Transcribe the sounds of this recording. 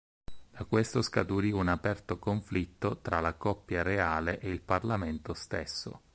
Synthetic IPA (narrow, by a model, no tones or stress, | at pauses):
d̪̥akwest̪oskat̪uɾiunapɛrt̪okoɱflit̪ːot̪ɾalakɔpːjaɾeaːleʔeilparlament̪ost̪esːo̰